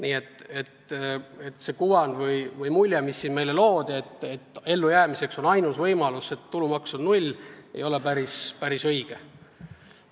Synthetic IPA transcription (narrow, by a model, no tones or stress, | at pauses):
niːe̞t̪ːˑe̞t̪e̞t̪ːˑse̞kuvɑnvɯjvɯjmulʲjemisːinme̞jle̞loːd̪̥ie̞t̪ːet̪ːe̞lːujæːmise̞kso̞nɑjnusvɤjmɑluse̞t̪ːulumɑksonnulʲḛjo̞le̞pæɾispæɾisɤjɡ̥e